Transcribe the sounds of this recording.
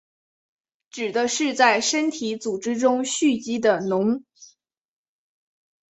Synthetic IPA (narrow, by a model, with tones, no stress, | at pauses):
ʈ͡ʂɻ̩˨˩d̪ə˦ʂɻ̩˥˧t͡sa˥˩ɪʂə˥nt̪ʰi˧˥t͡su˨˩ʈ͡ʂɻ̩˥ʈ͡ʂʊ˥ŋɕy˥˩t͡ɕi˥d̪ə˨nʊ˧˥ŋ